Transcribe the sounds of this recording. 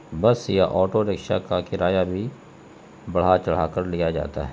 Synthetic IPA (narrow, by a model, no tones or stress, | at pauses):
bəsjaʔɔːʈoɾekʃa̰kakɪɾaːjabʱi | bɐɽ̤at͡ʃɐɽ̤aːkəɾlijad͡ʒa̰ːt̪a̰ɦɛ